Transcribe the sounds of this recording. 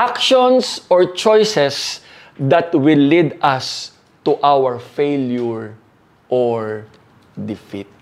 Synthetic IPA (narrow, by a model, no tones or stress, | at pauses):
ʔakʃɔ̃nsʔɔɹt͡ʃɔjsɛs | d̪ɐt̪wɪlːid̪as | t̪uʔawɛɹfejljʊɹ | ʔɔɹ | d̪ɪfit̪̚